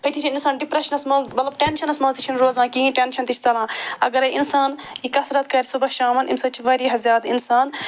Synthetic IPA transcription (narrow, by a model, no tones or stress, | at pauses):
ɐjt̪ʰit͡ʃʰiinsaːnɖipɾɐʃɐnɐsmɐmɐt̪lɐb̚ʈenʃɐnɐsmɐ̃nst̪it͡ʃʰinɾoːzãːkiĩʈenʃɐnt̪it͡ʃʰt͡sɐlãːɐɡɐɾɐʔinsaːn | ikɐsɾɐt̪̚kɐɾʲsubɐʃaːmɐnḭmsɐt͡ʃʰiʋɐɾiɦɐzʲaːd̪insaːn